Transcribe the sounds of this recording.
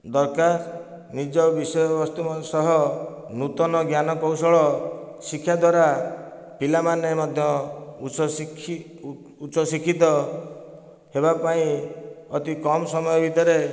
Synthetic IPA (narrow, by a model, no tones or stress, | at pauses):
d̪ɔɾkaɾ | nid͡ʒɔbisɔjɔbɔst̪usɔɦɔ | nut̪ɔnɔɡjanɔkɔwsɔɭɔsikʰːjad̪waɾa | pilamanemɔd̪ʱjɔ | ut͡ʃɔsikʰit̪ɔ | hebapaĩɔt̪ikɔmsɔmɔjɔbʱit̪ɔɾe